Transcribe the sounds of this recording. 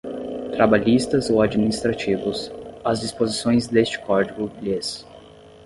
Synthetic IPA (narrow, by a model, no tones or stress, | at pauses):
t̪ɾabaʎist̪ɐzowad͡ʒiminist̪ɾat͡ʃivʊsɐzd͡ʒispozisõj̃zd̪est͡ʃɪ̥kɔɾd͡ʒiɡʊles